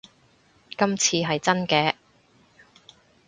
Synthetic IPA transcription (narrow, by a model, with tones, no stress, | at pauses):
kɐ˥mt͡sʰiː˧ɦɐ˨jt͡sɐ˥nkɛː˨˧